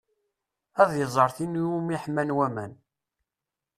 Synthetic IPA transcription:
æðjəzˤəɾˤθinumiħmænwæmæn

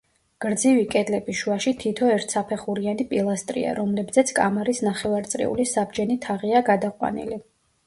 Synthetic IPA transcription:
ɡ̥ɾd̪zivikʼɛd̪lɛbiʃuaʃit̪ʰit̪ʰɔɛɾt̪ʰsapʰɛχuɾianipʼilˠast̪ʼɾḭa̰ɾɔmlɛbzɛt̪sʰkʼa̰maɾisnaχɛvaɾt̪sʼɾḭṵlisabd͡ʒɛnit̪ʰaʁiaɡad̪aqʼwa̰nḭli

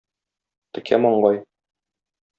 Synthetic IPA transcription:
t̪ɘ̆kʰæ̰mɒɴɢɑj

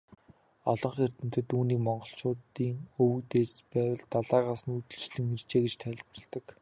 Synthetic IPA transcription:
ɔɮɞ̆ɴχer̥t̪ɘ̆m̥t̪ɘ̆t̪uːniːkmɔɴɢɞ̆ɬt͡ɕʊːt̪iːŋɵw̆kt̪eːt͡ɕpæːwə̆ɮt̪aɮaːʁaːsə̆nut̪ɵ̆ɮt͡ɕɮɘ̆ŋir̥t͡ɕeːɡet͡ɕt̪ʰæɮpə̆r̆ɮt̪ə̆k

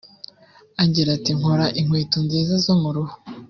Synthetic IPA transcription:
aɲɟiɾatiŋ̥hoɾaʔiŋwiːtunziːzazomuɾuhu

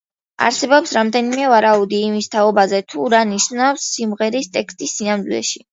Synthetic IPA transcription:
a̰ɾsɛbɔpsɾamd̪ɛnimɛvaɾaud̪iːmist̪ʰaɔbazɛt̪ʰuɾaniʃnafsːimʁɛɾist̪ʼɛkst̪ʼisːinamd̪ilɛ̰ʃi

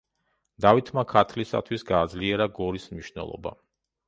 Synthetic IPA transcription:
d̪̥avit̪ʰmakʰat̪ʰlisa̰t̪ʰwisɡaːd̪zliɛɾaɡɔɾismniʃnɛ̰lˠɔ̰ba̰

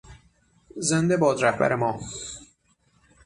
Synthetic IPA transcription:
zend̪ebɒːd̪ɾæhbæ̰ɾemɒː

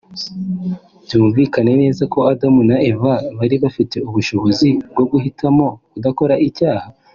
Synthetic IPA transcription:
bjuːɱviːkane̞ne̞ːzako̞adamunaʔe̞vaβaɾiβafite̞uβuʃo̞βo̞zib̚ɡo̞ɡuɦitʰamo̞kudako̞ɾaʔicaːha

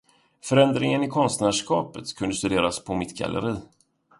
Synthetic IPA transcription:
fœɾɛnd̪ɾɪŋənɪkʰɔnst̪næːʂkɑːpət̪kʰɵnd̪əst̪ɵd̪eːɾaspʰɔmɪt̪ɡa̰lʔə̰ɾiː

